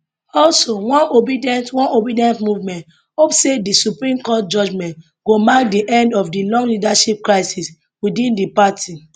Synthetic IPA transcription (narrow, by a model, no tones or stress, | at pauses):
ɔlsowɔ̃nobidiɛ̃ntwɔ̃nobidiɛ̃ntmuvmɛ̃nt | hopsedisupɹĩmkɔt̚d͡ʒɔd͡ʒmɛ̃nt | ɡ̥omak̚diʔɛ̃ndɔfdilɔ̃ŋɡlidaʃip̚kɹaɪsis | widĩndipatʰi